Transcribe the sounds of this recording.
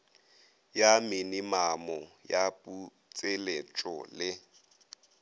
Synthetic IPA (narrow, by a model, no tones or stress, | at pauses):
jamɪnimamɔjapʼu | t͡sʼɪlet͡ʃʼɔ̰lɪ